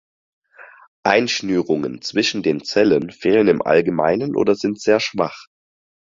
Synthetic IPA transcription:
ʔaɪnʃnyːʁʊŋənt͡sv̥ɪʃn̩deːnt͡sɛlənfeːlənɪmʔa̰lɡəma̰ɪnənʔo̰ːdɐzɪntz̥eːɐʃv̥aχ

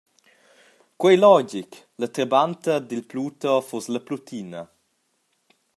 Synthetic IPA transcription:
kwɛjlɔd͡ʒik | lət̪ɾəbant̪əd̪ilpluːt̪ɔfɔsləplut̪ʰinɐ

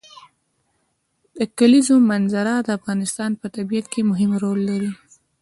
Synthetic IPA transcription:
d̪̥əkalizomanzaɾad̪əafɣɑnɪst̪ɑnpət̪abijat̪kemʊɦɪmɾolːaɾi

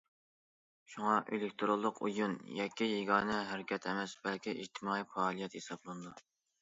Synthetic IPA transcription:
ʃuŋɑʔḛlɪk̚ʲt̪ʰɾolˠːʊqʰṵjunjɑkʲʰːijeɡɑːnɛɦæɾɪkʲɛt̪ʰɛmɛsbɛlkʲʰiʔid͡ʒt̪ʰɨmɑːifɑːlˠijɛt̪hesɑblˠɨnɨd̪u

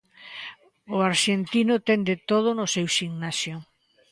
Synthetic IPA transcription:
ʊaɾʃent̪inʊt̪ɛnd̪et̪oð̞ʊnʊsewʃiŋnasjo

